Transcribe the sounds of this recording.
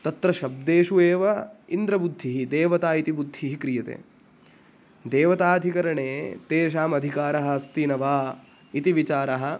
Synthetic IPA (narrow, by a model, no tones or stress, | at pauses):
t̪ɐt̪ɾɐʃɐb̚d̪eːʃueːʋɐind̪ɾɐbud̪ʱːiɦid̪eːʋɐt̪aːit̪ibud̪ʱːiːɦikɾijɐt̪ḛː | d̪eːʋɐt̪aːd̪ʱikɐɾɐɳeːt̪eːʃ̬aːmɐd̪ʱikaːɾɐɦɐ̆ɐst̪inɐʋaː | it̪iʋit͡ʃaːɾɐɦɐ̆